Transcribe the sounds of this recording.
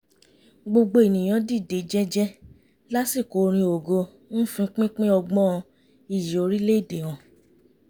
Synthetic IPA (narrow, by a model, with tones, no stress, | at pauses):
ɡ͡bo˧ɡ͡bo˦e˨nĩ˨j̃ã˨˦di˦˨de˨d͡ʒɛ˦d͡ʒɛ˦ | la˦si˦˨ko˨˦ɾ̃ĩ˧o˨ɡo˧ | n̩˦fĩ˧k͡pĩ˦k͡pĩ˦ɔ˧ɡ͡bɔ̃˦˧ | i˦˨ji˨o˨˧ɾi˦le˦i˦˨de˨w̃ɔ̃˨